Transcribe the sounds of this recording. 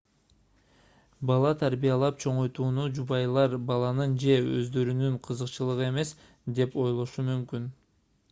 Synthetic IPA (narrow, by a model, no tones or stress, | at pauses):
bɑlˠɑt̪ʰaɾbijɑlˠɑpt͡ʃʰo̞ɴo̞jt̪uːnud͡ʒuβɑjlˠɑɾbɑlˠɑnɯnd͡ʒe̞ø̰zd̪ø̞ɾynyɴqʰɯzɯqt͡ʃɯlˠɯʁɯe̞me̞s | d̪e̞po̞jlˠo̞ʃumymkyn